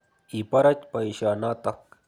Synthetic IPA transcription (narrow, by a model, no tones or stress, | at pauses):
ɪpaɾat͡ʃpajʃaːnaːt̪ɑχ